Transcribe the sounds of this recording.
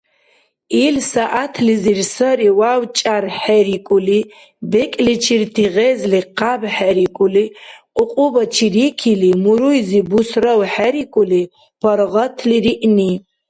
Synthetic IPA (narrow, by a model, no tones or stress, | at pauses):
ilsaʔatʰlizirsɐɾiwawt͡ʃʼarħɛɾikʷʼuli | bɛkʼlit͡ʃʰirtʰiʁɛzliqabħaɾikʼuliqʼʊqʼʊbɐt͡ʃʰirikʰilimuɾujzibusrɐwħɛɾikʼuli | pʰɐɾʁɐtʰliɾiʔni